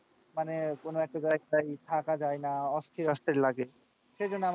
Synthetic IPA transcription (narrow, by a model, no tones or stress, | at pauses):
manekonoɛk̚ʈad͡ʑaeɡ̚tajt̪ʰakad͡ʑajnaɔst̪ʰiɾɔst̪ʰeɾlaɡe | ʃed͡ʑonːoam